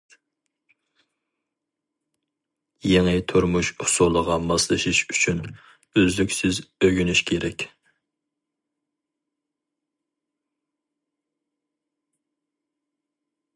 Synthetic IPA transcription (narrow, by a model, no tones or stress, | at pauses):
jeŋɨt̪ʰuɾmuʃhʊ̥solˠəʁɑmɑslˠɨʃiʃyt͡ʃʰyn | øzlykʲsɪzøɡʲynyʃkʲʰeɾɛkʲ